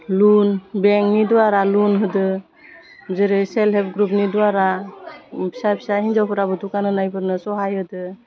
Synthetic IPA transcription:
lunbeŋniduaɾalunɦɯdɯ | zeɾɯselɦɛp̚ɡɾup̚niduaɾa | bʰi̥sabʰi̥saɦiɲd͡ʒawpʰɯɾabɯtukanɯnajbɯɾnɯsɔɦajhɯdɯ

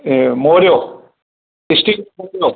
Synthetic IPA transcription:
moːɾjo | ɪsʈimoːɾjo

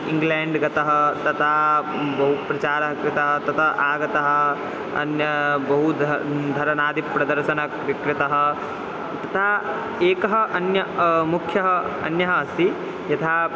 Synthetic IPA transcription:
iŋɡleːɳɖɡɐt̪ɐɦɐt̪ɐt̪ʰaː | bɐɦupɾɐt͡ʃaːɾɐɦɐkɾɪt̪ɐɦɐt̪ɐt̪ʰɐʔaːɡɐt̪ɐɦɐ̆ | ɐ̰njɐbɐɦud̪ʱd̪ʱɐɾɐnaːd̪ipɾɐd̪ɐɾʃɐnɐ | kɾɪt̪ɐɦɐ̆ | t̪ɐt̪ʰaː | eːkɐɦɐʔɐnjɐmukʰːjɐɦɐɐ̰njɐɦɐːsi | jɐt̪ʰaː

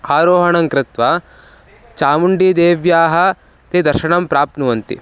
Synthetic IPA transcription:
aːɾoːɦɐɳɐŋkɾɪt̪ʋɐ | t͡ʃaːmuɳɖiːd̪eːʋjaːɦɐ̆ | t̪ed̪ɐɾʃɐɳɐmpɾaːp̚t̪nuʋɐnt̪ḭ

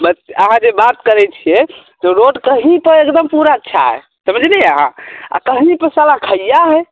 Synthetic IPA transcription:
bətəɦãd͡ʒebat̪kəɾɛt͡ʃʰijɛt̪ɔɾoɖkəɦĩpəɾekd̪əmpuɾaətːʃʰa̰ɦɛ̰ | səməd͡ʒʱnɛəɦã̰a̰kəɦĩpəsalakʰəjjaɦɛ

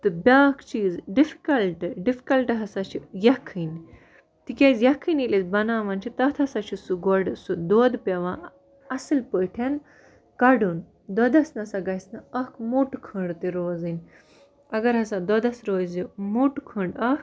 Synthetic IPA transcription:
t̪ɨbʲaːkʰt͡ʃiːzɖifi̥kɐlʈɖifi̥kɐlʈɨɦɐsat͡ʃʰijɐkʰːɨn | t̪ikʲezjɐkʰːɨnilesbɐnaːʋɐnt͡ʃʰit̪ɐt̪ʰɐsat͡ʃʰisuɡɔɖsud̪oːd̪pʲɐʋãː | ɐsɨlpəʈʰʲen | kɐɽun | d̪ɔd̪ɐsnɐsaɡɐjsnɨɐkʰmuʈkʰəɳɖt̪iɾoːzɨnʲ | ɐɡɐɾɦɐsad̪ɔd̪ɐsɾoːzimuʈkʰəɳɖɐk

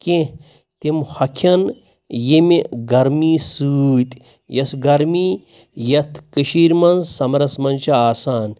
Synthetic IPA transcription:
ke | t̪imhɐkʰɐn | jimiɡɐɾmiːsut̪ʲ | jɐsɡɐɾmi | jɐt̪ʰkɨʃiːɾmɐnzsɐmɾɐsmɐnt͡ʃɐaːsaːn

